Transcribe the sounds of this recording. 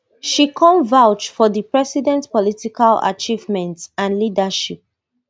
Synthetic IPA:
ʃikʰɔ̃mvaʊt͡ʃfɔðipɹɛsidɛ̃ntpɔlitikala̰t͡ʃivmɛ̃ntãnlidaʃip̚

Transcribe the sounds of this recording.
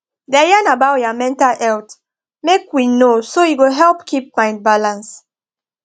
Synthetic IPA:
dɛjanabawjamɛ̃ntalɛlt | mekwinosoiwɛɦɛlpkʰip̚mãɪ̃nd̚balãns

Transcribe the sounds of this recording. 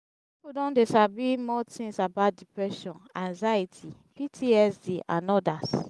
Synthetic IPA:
ipudɔ̃ndesabimɔtʰĩŋsabaʊt̚dipɹɛʃɔ̃nãŋzaitʰi | pitʰiɛsdiʔʔã̰nɔdas

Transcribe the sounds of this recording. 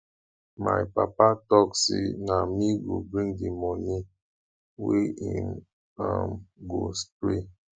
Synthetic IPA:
ma̰jpapatɔksḭnamiɡubɹĩŋdimɔni | wiim | a̰mɡostɾe

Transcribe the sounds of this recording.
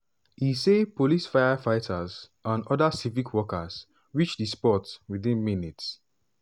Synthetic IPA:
hisepolisfajafaɪtʰaz | ãnɔdasivikʰwɔkaz | wit͡ʃdispɔtswiðĩnminits

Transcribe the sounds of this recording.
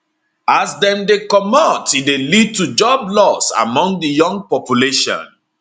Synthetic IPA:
asdɛ̃mdekɔmɔtidelid̚tud͡ʒɔblɔsa̰mɔ̃ŋɡdijɔ̃ŋɡ̚pɔpjuleʃɔ̰̃n

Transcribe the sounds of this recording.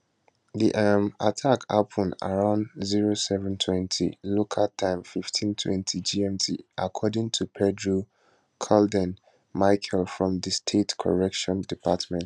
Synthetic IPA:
ðiʔamatʰaka̰pʰə̃na̰ɹãʊ̃nziɹosɛvɛ̃ntʰwɛ̃ntʰḭlokʰaltʰãɪ̃mfiftʰĩntʰwɛ̰̃ntʰid͡ʒiɛ̃mtʰiʔakʰɔdɪ̃ŋtʰupʰɛdɹu | kʰɔldɛ̃n | maɪkʰɛlfɹɔ̃mðəstʰetkʰɔ̰ɹɛkʃɔ̃ndipʰatmɛ̃nt

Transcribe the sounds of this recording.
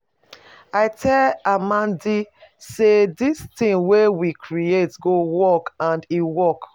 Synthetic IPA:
aɪtʰɛlamãndisedistĩŋwewikʰɹietɡowɔkãndiwɔk

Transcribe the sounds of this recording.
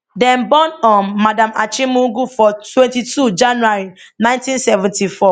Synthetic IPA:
dɛ̃nbɔ̃nɔ̃nːadãmat͡ʃĩmuɡufɔtʰwɛ̃ntitʰud͡ʒãnuaɹinãɪ̃ntĩnsɛvɛ̃ntifɔ

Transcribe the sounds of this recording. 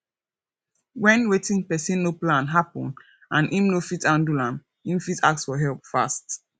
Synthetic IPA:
wɛ̃nwetĩŋpɛsĩnːoplãnɦapɔ̃n | ãnʔĩmnofitãndulãn | ĩmfita̰k̚tsfɔɦɛlp̚fa̰st

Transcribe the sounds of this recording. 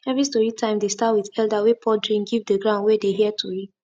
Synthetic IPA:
ɛvɹistɔɹitʰãɪ̃mdestatwiðɛldawepʰɔdɹĩŋɡivdəɡɹãʊndwedeɦiɛtʰui

